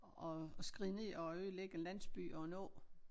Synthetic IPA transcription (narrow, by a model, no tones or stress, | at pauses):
ɒ̽sɡ̥ʁiðˠne̝ɒøðˠleɡ̥əenlæn̰sb̥y̰ɒ̽nɔ̰̽ː